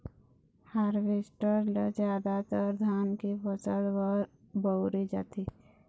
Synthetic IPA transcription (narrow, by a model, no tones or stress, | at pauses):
haɾʋɪsʈəɾləzjaːd̪at̪əɾd̪ʱaːnkipəsəɽwəɾ | bəʊɾid͡ʒa̰ːt̪i